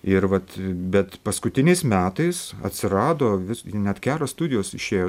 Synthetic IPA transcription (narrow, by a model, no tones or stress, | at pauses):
ɪɾʋɐt̪bʲɛt̪pɐskʊt̪ʲɪnʲɛɪsmʲæːt̪ɐɪsɐ̰t̪ʲsʲɪɾɑːd̪oːʋʲɪsnʲɛt̪kʲæːɾoːsst̪ʊd̪ʲɪjoːsɪʃʲeːjoː